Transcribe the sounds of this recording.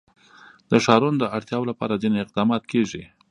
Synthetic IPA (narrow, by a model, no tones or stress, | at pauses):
d̪əʃɑɾund̪əaɽt̪jɑwolapɑ̰ɾad͡zineɪq̚d̪ɑmɑt̪̚kʰeʐi